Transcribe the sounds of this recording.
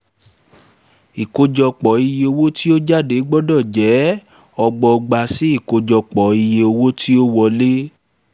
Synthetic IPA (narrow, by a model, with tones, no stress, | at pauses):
i˨ko˧d͡ʒɔ˧k͡pɔ˨˦i˧je˧o˧wo˦ti˦o˦d͡ʒa˦˨de˨˦ɡ͡bɔ˦dɔ˦˨d͡ʒɛ˨˦ | ɔ˧ɡ͡bɔ˧ɡ͡ba˧si˨˦i˦˨ko˧d͡ʒɔ˧k͡pɔ˨i˧je˧o˧wo˦tʰi˦o˦wɔ˧le˦